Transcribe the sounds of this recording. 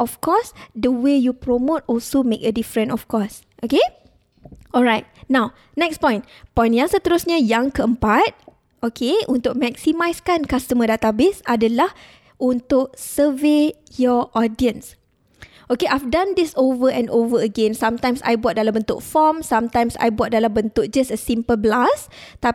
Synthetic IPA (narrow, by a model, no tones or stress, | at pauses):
ʔɔfkɔsdəwejupɹomot̚ɔlsomekədifɹə̃ntɔfkɔs | ʔoke | ɔlɹajt̚nãw | nɛkspɔ̃j̃n | pɔ̃j̃njãŋsət̪əɾusɲəjãŋkəəmpat̪̚ | ʔokʰeunt̪ʊk̚mɛksimajskankastəmədat̪abesadəlah | unt̪ʊʔ̚səve | jɔʔɔdiə̃ns | ʔokeʔajfdãnd̪isovəɛ̃novəəɡɛ̃nsãmt̪ãjmsa̰jbuat̪̚dalambənt̪ʊ̰k̚fɔmsãmt̪ãjmsa̰jbuat̚dalambənt̪ʊk̚d͡ʒasəsĩmpəlblas | t̪a